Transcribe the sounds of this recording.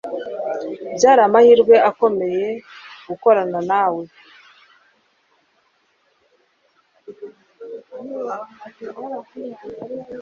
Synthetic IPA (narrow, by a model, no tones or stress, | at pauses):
bjaːɾaːmahiɾɡwe̞ako̞me̞je̞ɡuko̞ɾananaːwe